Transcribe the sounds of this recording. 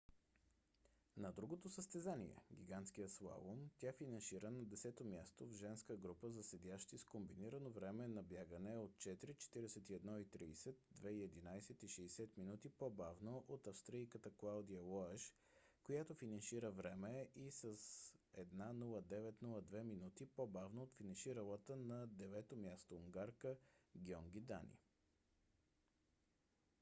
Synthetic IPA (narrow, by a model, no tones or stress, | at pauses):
nɐd̪ɾuɡot̪osəst̪ɛzanḭɛ̰ɡʲiɡant̪sk̟ijəslˠa̰vomt̪ʲjafinɐnʃiɾənɐd̪ɛsɛt̪omʲjast̪ovʒɛnskəɡɾupəzɐsɛd̪ʲaʃt̪iskombiniɾənovɾɛmɛnɐbjaɡənɛot̪̚t͡ʃɛt̪iɾit͡ʃɛ̥t̪iɾɛsɛt̪iɛd̪nɔit̪ɾiːsɛt̪̚d̪vɛiɛd̪inajsɛt̪iʃɛːsɛt̪minut̪ipobavnoʔot̪ɐfst̪ɾijkət̪əklˠawd̪iəlɔɛʃ | kojat̪ofinɐnʃiɾəvɾɛmɛisəsɛd̪nanulˠəd̪ɛvɛt̪nulˠəd̪vɛminut̪ipobavnoot̪finɐnʃiɾəlˠət̪ənɐd̪ɛvɛt̪omʲjast̪ouŋɡaɾkəɡʲiɔŋɡ̟id̪a̰nḭ